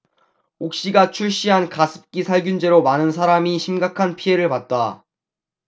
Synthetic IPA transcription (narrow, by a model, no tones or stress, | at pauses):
ok̚ɕ͈iɡat͡ɕʰuɭɕ͈iɦankasʰɯ̥p̚k͈isʰaɭɡjund͡ʑe̞ɾomanɯnsʰaɾamiɕʰimɡakʰanpʰiɦe̞ɾɯɭpat̚t͈a